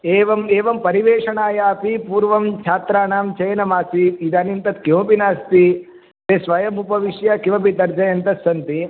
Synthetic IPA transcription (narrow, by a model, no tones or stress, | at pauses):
eːʋɐmeːʋɐmpɐɾiʋeːʂɐɳaːjaːɐpipuːɾʋɐmt͡ʃʰaːt̪ɾaːɳaːmt͡ʃɐjɐnɐmaːsiid̪ɐnint̪ɐt̪kjõːpinaːst̪i | t̪eːsʋɐjɐmupɐʋiʂjɐkiʋɐpit̪ɐɾd͡ʒɐjɐnt̪ɐt̪sɐnt̪i